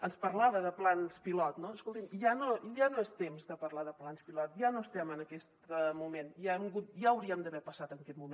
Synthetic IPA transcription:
ənspəɾlaβəðəplanspilɔt̪noəskolˠt̪imiʒanoʒanoɛst̪emzðəpəɾlaðəplanspilɔt̪ʒanoəst̪ɛmənəkɛst̪əmumenʒaemɡut̪ʒaəwɾiəmd̪əβɛpəsat̪ənəkɛt̪mume

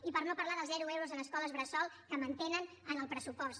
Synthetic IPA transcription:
ipəɾnopəɾlaðəlˠzðɛɾuewɾuzənəskɔləzβɾəsɔlˠkəmənt̪enən | ənəlˠpɾəsupɔst̪

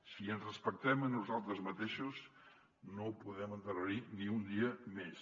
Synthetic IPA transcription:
siənzrəspək̚t̪ɛmənːuzalˠt̪ɾəzmət̪eʃus | nopuðɛmənt̪əɾaɾiniund̪iəmes

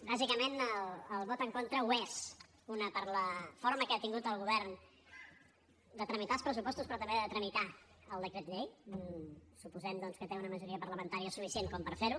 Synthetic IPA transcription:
bazikəmenələlˠβɔt̪əŋkont̪ɾəwez | unəpəɾləfoɾməkeat̪iŋɡut̪əlˠɣuβɛɾn | d̪ət̪ɾəmit̪alˠspɾəsupɔst̪uspɾɔt̪əmbeðət̪ɾəmit̪a | əlˠd̪əkɾet̪ʎej | supuzɛmd̪ɔnskət̪eunəməʒuɾiəpəɾləmənt̪aɾiəsufisienkɔmpəɾfeɾu

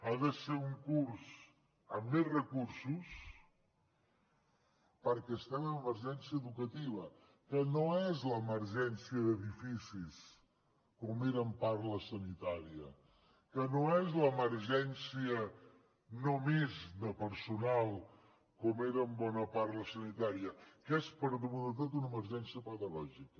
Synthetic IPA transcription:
aðəseɾuŋkuɾs | əmːezrəkuɾsus | pəɾkɛst̪ɛmənəməɾʒɛnsiəːðukət̪iβ̞ə | kənoɛzləːməɾʒɛnsiəðəðifisis | komeɾəmpaɾləsənit̪aɾiə | kənoɛzləːməɾʒɛnsiə | nomezðəpəɾsunalˠ | kɔmeɾəːmbɔnəpaɾləsənit̪aɾiəkɛspəɾðəβuðət̪̬ot̪unəməɾʒɛnsiəpəðəɣɔʒikə

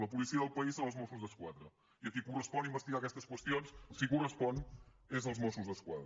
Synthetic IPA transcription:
ləpulisiəðəlˠpəizəəlˠzmɔsuzðəskwaðɾə | iəkikurəspɔnimbəst̪iɣakɛst̪əskwəst̪ionssikurəspɔn | ezəlˠzmɔsuzðəskwa̰ðɾ

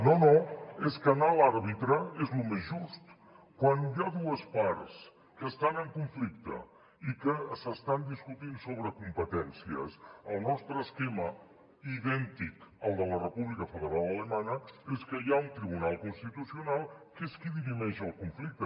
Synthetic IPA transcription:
nonoeskənalaɾβit̪ɾəezlumezʒust̪ | kwanjaðuəspaɾs | kəst̪anəŋkuɱflikt̪ə̰ | ikəsəst̪and̪iskut̪insoβɾəkumpət̪ɛnsiə̰səlˠnɔst̪ɾəːskɛmə | iðɛnt̪ikəlˠd̪ələrəpuβlikəfəðəɾalˠələmanəeskəjaunt̪ɾiβ̞unalˠkunst̪it̪usiunalˠkeskiðiβimɛʃəlˠkuɱflik̚t̪ə

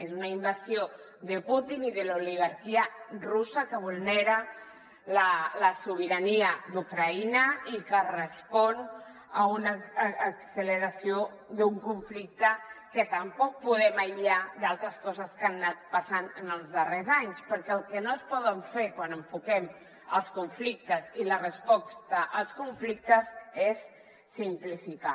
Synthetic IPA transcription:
ezunaimbazjo | ðəput̪iniðəluliɣaɾkiərusəkəβ̞ulˠnɛɾə | lələsuβ̞iɾaniəd̪ukɾainəikərəspɔn | əunəːksələɾasio | d̪uŋkuɱflik̚t̪əkət̪əmpɔk̚puðɛməjʎad̪alˠt̪ɾəskɔzəskanːat̪̚pəsanənəlˠzðərezaɲspəɾkɛəlˠkənoəspɔðəɱfeɾkwanəɱfukɛm | əlˠskuɱflik̚t̪əzilərəspɔst̪əʔəlˠskuɱflik̚t̪əzesː | implifika

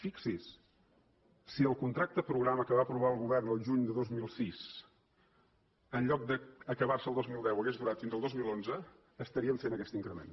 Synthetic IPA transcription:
fiksis | siəlˠkunt̪ɾak̚t̪əpɾuɣɾaməkəβaəpɾuβ̞aəlˠɣuβɛrnəlˠʒuɲd̪əðozmilˠsis | ənʎɔk̚d̪əəkəβarsəlˠd̪ozmilˠd̪ɛwəɣezðuɾat̪finzəlˠd̪ozmilˠonzəː | st̪əɾiəɱfenəkɛst̪iŋkɾəmḛn

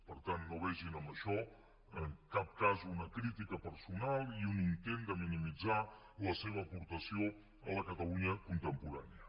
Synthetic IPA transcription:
pəɾt̪anːoβɛʒinəmbəʃɔ | əŋkap̚kazunəkɾit̪ikəpəɾsunalˠiunint̪end̪əminimid͡za | ləseβ̞əːpuɾt̪əsio | ələkət̪əluɲəkunt̪əmpuɾaniə

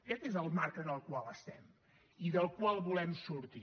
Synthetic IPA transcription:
kɛt̪ezəlˠmaɾkəðəlˠkwalˠəst̪ɛm | iðəlˠkwalˠβulɛmsuɾt̪i

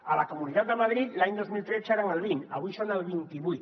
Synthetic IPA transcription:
alakomũniðat̪̚d̪amaðɾit̪laɲd̪ozmilt̪ɾeθt͡ʃaɾaŋalβiŋa̰βuʃanalβint̪iβujt̪

